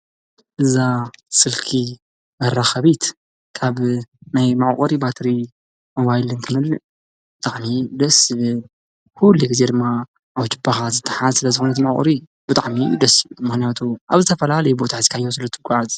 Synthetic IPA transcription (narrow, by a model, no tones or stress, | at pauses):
ʔɨzasɨlkʰi | mɐɾaxɐβit̪ | kʰaβnajmaʕkʼɐɾibat̪ʰɾi | moβajilɨnt̪ʰɨmɐlːɨ | t̪ʰʼaħnid̪ɐsɨβɨ | kʰulːiɡɨze̞d̪ɨmːa | ʔawt͡ʃʰɨbaxazɨt̪ʰːɐħazsɨlɐzɨxonɐt̪imaʕkʼɔ̰ɾi | bɨt̪ʼa̰ʕmid̪ɐsɨβmɨxnijat̪ʰuʔa̰βzɨt̪ʰɐfɐlalɐjubo̞t̪ʰazi̥kʰajːos̬ɨlɐt̪ʰɨɡʷaʕaz